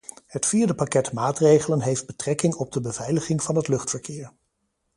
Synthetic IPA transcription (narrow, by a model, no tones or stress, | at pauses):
hətfiːɹdəpɑkɛtmaːtrejχələnɦejfd̚bətrɛkɪŋɔb̚dəbəv̥ɛjləχɪŋvɑnɦətlɵχtfəɹkɪːɹ